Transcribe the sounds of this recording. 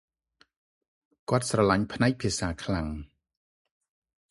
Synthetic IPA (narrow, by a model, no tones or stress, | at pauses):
kŏət̪̚srɑlaɲpʰnaɛk̚pʰiəsaːkʰlaŋ